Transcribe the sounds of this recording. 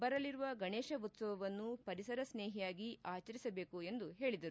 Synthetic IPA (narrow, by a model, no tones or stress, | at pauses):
bɐɾɐliɾuʋɐɡɐɳeːʃɐut̪sɐʋɐʋɐnːupɐɾisɐɾɐsneːɦijaːɡiʔaːt͡ʃɐɾisɐbe̞ːkue̞nd̪uɦe̞ːɭid̪ɐɾu